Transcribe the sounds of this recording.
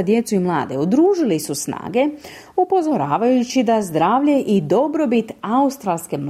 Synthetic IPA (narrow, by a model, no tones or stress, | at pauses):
d̪je̞t̪suimlˠa̰ːd̪e̞ud̪ɾuːʒilisusna̰ːɡe̞ | upo̞zo̞ɾaːʋajut͡ɕid̪azd̪ɾaːʋʎe̞ʔid̪o̞bɾo̞bit̪aust̪ɾalˠske̞m